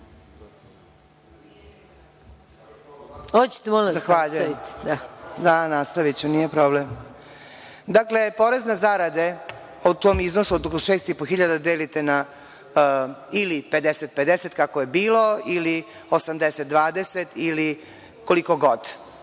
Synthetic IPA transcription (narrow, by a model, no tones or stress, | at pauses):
ot͡ɕe̥t̪emolzaxʋaʎujed̪ad̪anast̪aʋit͡ɕunijepɾoblem | d̪akle̞po̞ɾeznazaɾad̪e | ot̪oːmiznosuot̪okloʃeːst̪ipoxiʎad̪ad̪eːlit̪ena | ilipe̞d̪eset̪̚ped̪eset̪kakojebiːlo̞ili | osamd̪eset̪̚d̪ʋaːd̪eset̪ili | kolikoɡo̞d̪